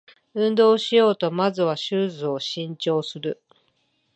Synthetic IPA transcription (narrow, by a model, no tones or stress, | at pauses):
ɯ̟̃nd̪o̞ːɕijo̞ːt̪o̞mazɨβ̞aɕɨːzɨo̞ɕĩɲ̟t͡ɕo̞ːsɨɾɯ̟